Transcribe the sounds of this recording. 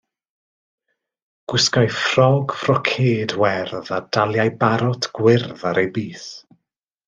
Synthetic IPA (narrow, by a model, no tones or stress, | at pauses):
ɡ̥wɪskajfrɔɡfrɔkʰeːdwɛrðad̥alˠjajbaɾɔtʰɡ̥wɪrðaɾejbiːθ